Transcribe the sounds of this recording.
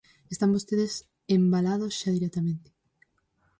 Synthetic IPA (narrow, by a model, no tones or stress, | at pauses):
est̪ambost̪eðes | embalaðosʃaðiɾet̪amẽnt̪e̥